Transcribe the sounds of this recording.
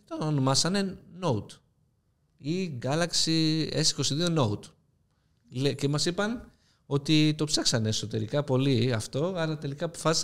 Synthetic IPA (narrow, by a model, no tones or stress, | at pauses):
t̪oono̞mɐsɐne̞no̞ut̪ | iɡɐlɐksiesi̥ko̞siðio̞no̞ut̪ | lece̞mɐsipɐn | o̞t̪it̪o̞pseksɐne̞ːso̞t̪e̞ɾikɐpo̞liɐft̪o̞ɐɾɐt̪e̞likɐːpo̞fɐsi̥s